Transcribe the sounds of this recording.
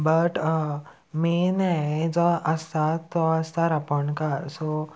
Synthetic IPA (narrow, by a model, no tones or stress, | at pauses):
bəʈ | menɛd͡zɔəst̪at̪ːɔəst̪aɾapəɳkaɾsɔ